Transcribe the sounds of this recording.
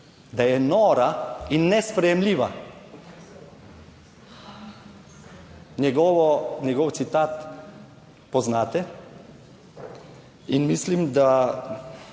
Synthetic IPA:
d̪ajɛnɔːɾainːɛspɾɛjɛmliːʋa̰ | njɛɡɔʋɔnjɛɡɔwt̪sit̪aːt̪ | pɔznaːt̪ɛ | inmislimd̪a

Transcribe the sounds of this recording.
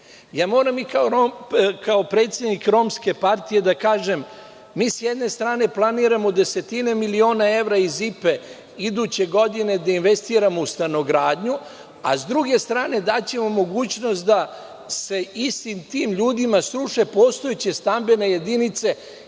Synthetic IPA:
jaːmo̞ːɾamikaoɾokaopɾe̞ːt̪sʲjed̪nikɾo̞mske̞paɾt̪ije̞d̪akaːʒe̞mː | iːsjed̪ne̞st̪ɾaːne̞plˠaniːɾamo̞d̪e̞se̞t̪ine̞milio̞ːnae̞ʋɾaizipe̞ | id̪ut͡ɕe̞ɡo̞d̪ine̞d̪ainʋe̞st̪iːɾamo̞ust̪ano̞ɡɾaːd̪ɲu | a̰zd̪ɾuɡe̞st̪ɾaːne̞d̪at͡ɕe̞mo̞mo̞ɡuːt͡ɕno̞st̪̚d̪a | se̞ist̪imt̪iːmʎuːd̪imasɾuʃe̞poːst̪o̞et͡ɕe̞st̪ambe̞ne̞je̞d̪init̪se̞

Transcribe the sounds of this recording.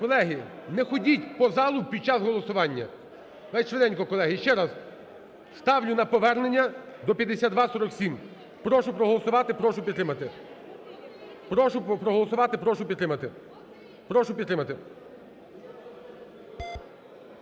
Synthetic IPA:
kɔlˠɛɦinɛxɔdʲitʲpɔzɑlˠʊpʲid̪̚t͡ʃɑzɦɔlˠɔsʊʋɑnʲːɐ̰ | ʋɛjt͡ʃʋed̪ɛnʲkɔkɔlˠɛɦɪʃt͡ʃɛɾɐz | st̪ɑwlʲʊnɐpɔʋɛrnenʲːɐ | d̪ɔpʲjɐd̪esʲad̪d̪ʋɑsɔɾɔksʲim | pɾɔʃʊpɾɔɦɔlˠɔsʊʋɑt̪ɪpɾɔʃʊpʲd̪ɾɪmɐt̪ɪ | pɾɔʃʊpɾɔɦɔlˠɔsʊʋɑt̪ɪpɾɔʃʊpʲid̪t̪ːɾɪmɐt̪ɪ | pɾɔʃʊpʲid̪t̪ːɾɪmɐt̪ɪ

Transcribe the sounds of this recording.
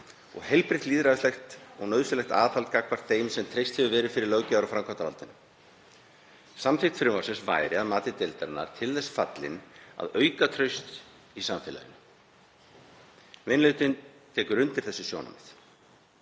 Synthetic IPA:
ɔ̰ɣhejlpɾɪt̪liːðɾaðʏslɛxt̪ɔɣnœðsʏlɛxt̪a̰ːðθalt̪̚kakpaɾ̥t̪θejmsɛmt̪ʰɾejst̪hɛvʏvɛːɾɪfɪɾɪɾlœwcɪaɾawfɾaŋkʰant̪avalt̪ɪnʏ | samθɪxt̪fɾʏmasɪnsva̰ːjɾɪaðmaːt̪ɪt̪elt̪aɾnːa̰ɾ̥t̪ʰɪlθɛsfat̪lɪ̰na̰ðœːɥkat̪ʰɾœɥst̪ | isamfɪːla̰ðɪnʏ | vɪnlʏɥt̪ɪnt̪ʰɛːkʏɾʏnt̪ɪɾ̥θɛsːʏsjo̰wna̰mnɪθ

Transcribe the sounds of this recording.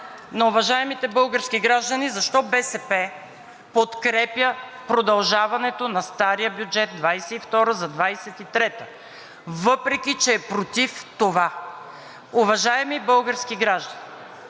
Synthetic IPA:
nɐʊvɐʒaɛmit̪ɛbɤlˠɡəɾskʲiɡɾaʒd̪ɐnizɐʃt̪ɔbɛsɛpɛ | pot̪kɾɛpjəpɾod̪ɐlˠʒavɐnɛt̪onɐst̪aɾijəbʲjud͡ʒɛt̪̚d̪vajsɛift̪ɔɾəzɐd̪vajsɛt̪it̪ɾɛt̪ə | vɤpɾɛkʲit͡ʃɛːpɾot̪ift̪ova | ʊvɐʒaɛmibɤlˠɡəɾskiɡɾaʒd̪ɐni

